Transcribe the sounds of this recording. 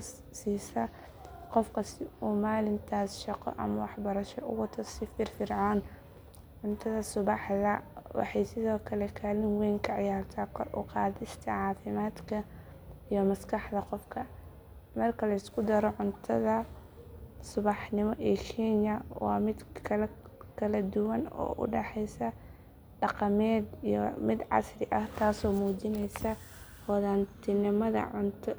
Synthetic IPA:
siːsɐ | qɔfkʰɐsɪuːmaːlɪmt̪ʰaːsʃɑqɔ̰ʔɐ̰mɐwɑħbɐɾɐʃɔʔʊ̰wɑt̪ʰːɔsɪfɪrfɪrʕɑːn | ʕʊnt̪ʰɐðɐsʊβɑħðɐwɑ̰ħɑjsɪðɔːkʰɐlɛkʰalɪnwɛːŋkʰɐʕɑjaːrt̪ʰaːkʰɔrʔʊ̰qɑːðɪst̪ʰɐʕɑːfɪmaːd̪kʰɐ | ijɔmɐskɑħd̪ɐqɔfkʰɐ | mɐrkʰɐlɐɪskʰʊd̪ɐɾɔʕʊnt̪ʰɐðɐ | sʊβɑħnɪmɔʔiːkʰɛnɐwɑ̰ːmɪd̪kʰɐ | kʰɐlɐd̪ʊwɐnɔ̰ːʔʊ̰ɖɛħɛjsɐ | ɖɑqɑmɛːd̪ijɔ̰mɪd̪ʕɑ̰srɪʔɐht̪ʰaːsɔːmuːt͡ʃɪnɛjsɐ | wɑðant̪ʰɪnɪmɐðɐ̰ʕʊnt̪ʰ

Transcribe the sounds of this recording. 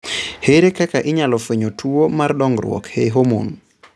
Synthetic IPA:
heɾekɛkaʔiɲalɔfeɲotʰuomaɾɗɔŋɡɾw̰ɔ̰kheɦomo̰n

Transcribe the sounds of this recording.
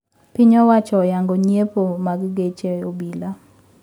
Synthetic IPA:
piɲɔwat͡ʃɔjaŋɡɔɲepomaɡɡet͡ʃeobila

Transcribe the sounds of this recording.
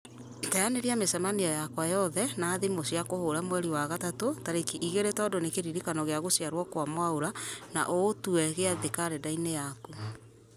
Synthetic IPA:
tajaneɾiamesɛmaniɔjakwajɔðɛnaːðemosiakohoɾamwɛɾiwaɣatatotaɾekiʔiɣeɾetaɔdonekeɾiɾikanɔɣeaɣosiaɾwɔkwamwaoɾana̰ʔotuɛɣeaðekaɾɛdainejaku

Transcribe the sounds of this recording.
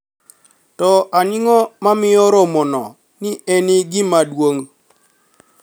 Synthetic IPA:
tɔʔanɪŋɔmamɪɔɾɔmɔnɔ̰ | nɪenɪɡɪmadwoŋ

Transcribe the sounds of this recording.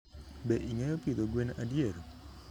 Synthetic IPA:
bɛʔiŋɛjɔkid̪oɡwenadjeɾo

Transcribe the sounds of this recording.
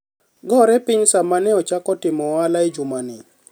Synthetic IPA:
ɡɔɾɛpɪɲsamanɛɔt͡ʃakɔtɪmɔalaɪd͡ʒʊmanɪ

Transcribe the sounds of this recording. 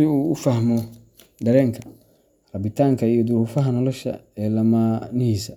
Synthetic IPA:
ɪuːʊfɐhmɔ | ɖ̪ɐɾɛːŋkʰɐ | rɐbɪt̪ʰaːŋkʰɐijɔd̪ʊɾuːfɐɦɐnɔlɔʃɐ̰ɛːlɐmaːnɪhiːsɐ

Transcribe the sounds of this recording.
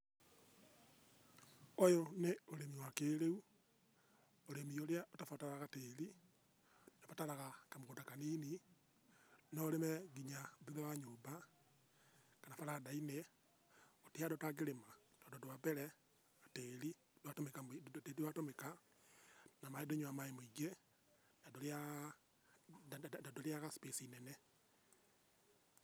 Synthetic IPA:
ojoneoɾemiwakeɾeu | oɾemioɾeaʔotafataɾaɣateɾi | nofataɾaɣakamoɣodakaniːni | nɔɾemɛɡiɲaðeðɛwaɲoːba | kanafaɾadaine | otiadɔtaɣeɾema | d̥ɔndɔdowapɛɾɛ | ateɾi | dwatomekamteɾiwatomeka | namaedoɲoamaemoiɡe | nadoa | adoɾeaɣaspesinɛnɛ

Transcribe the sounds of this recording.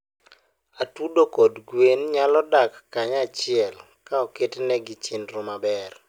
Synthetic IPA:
atudokodɡwenɲalɔdakːaɲat͡ʃɪɛl | kaɔketenɛɡɪt͡ʃɪnɾʊmabɛr

